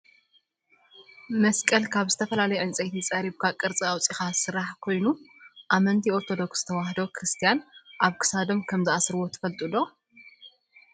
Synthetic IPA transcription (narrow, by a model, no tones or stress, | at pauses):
mɐskʼɐlkʰaβzɨt̪ʰɐfɐlalɐjɛʕɨnt͡sʼɐjt̪ʰit͡sʼɐɾiβkʰakʼɨɾt͡sʼiawt͡sʼixasɨɾaħkʰo̞jnuʔaβmɐnt̪ʰio̞ɾt̪ʰo̞d̪o̞ksz̥ɨt̪ʰɐwahd̪okʰɾɨst̪ʰijanʔaβkʰɨ̥sad̪o̞mkʰɐmzɨasɾɨwo̞t̪ʰɨ̥fɐlt̪ʼulo